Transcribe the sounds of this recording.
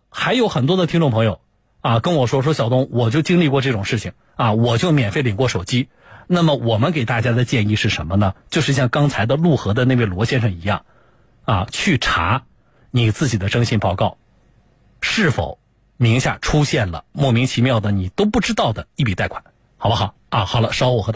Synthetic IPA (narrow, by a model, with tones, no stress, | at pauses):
xa˧˥ɪjo˧˥ʊxə˨˩nt̪wɔ˥d̪ə˨t̪ʰi˥ŋʈ͡ʂʊ˥˩pʰɤ˧˥ŋjo˨˧ʊ | a˥˧kə˥nwɔ˨˩ʂwɔ˥ʂ̬wɔ˥ɕjɑ˨˩ʊt̪ʊ˥ŋwɔ˨˩t͡ɕjo˥˩ʊt͡ɕi˥ŋli˥˧kwɔ˥˧ʈ͡ʂɤ˥˩ʈ͡ʂʊ˨˩ŋʂɻ̩˥˩t͡ɕʰi˨˩ŋ | a˧wɔ˨˩t͡ɕjo˥˩ʊmjɛ˨˩nfe˥˩ɪli˨˩ŋkwɔ˥˩ʂo˨˩ʊt͡ɕi˥ | na˥˩mə˩wɔ˨˩mə˦nke˨˩ɪt̪a˥˩t͡ɕja˥d̪ə˨t͡ɕjɛ˥˧ni˥˧ʂɻ̩˥˩ʂə˧˥nmə˧nə˨t͡ɕjo˥˧ʂɻ̩˥˧˩ɕjɑ˥˩ŋkɑ˥ŋt͡sʰa˧˥ɪd̪ə˧lu˥˩xɤ˧˥d̪ə˧ne˥˧we˥˩ɪlwɔ˧˥ɕjɛ˥nʂɤ˥˩ŋi˧˥jɑ̰˥˩ŋ | a˥˧t͡ɕʰy˥˩ʈ͡ʂʰa̰˧˥ | ni˨˩t͡sɹ̩˥˩t͡ɕi˨˩d̪ə˦ʈ͡ʂɤ˥ŋɕi˥˩npɑ˥˩ʊkɑ˥˩ʊ | ʂɻ̩˥˩fo̰˨˩˦ʊ | mi˧˥ŋɕja̰˥˩ʈ͡ʂʰu˥ɕjɛ˥˩nlə̰˩mwɔ˥˩mi˧˥ŋt͡ɕʰi˧˥mjɑ˥˩ʊd̪ə˩ni˨˩t̪o˥ʊpu˥˩ʈ͡ʂɻ̩˥t̪ɑ˥˩ʊd̪ə˩i˥˩pi˨˩t̪a˥˩ɪkʰwḁ˨˩˦n | xɑ˨˩ʊbxɑ˨˩˦a˧˩xɑ˨˩ʊlə˦ʂʊwɔ˨˩xɤ˧˥t̪